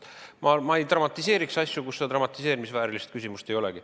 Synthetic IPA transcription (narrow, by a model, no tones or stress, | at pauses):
mɑmɑejt̪rɑmɑt̪ʲːˑise̞ːɾiksɑsʲjukusːet̪ɾɑmɑt̪ːˑise̞ːɾimisvæːɾilist̪kysʲimust̪e̞jo̞leɡ̥i